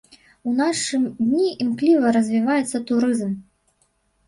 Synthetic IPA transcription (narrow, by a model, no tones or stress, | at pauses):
unaʂɨmd̪ʲnʲiʔimklʲivɐɾɐzʲvʲivajɛt̪sːɐt̪uɾɨzm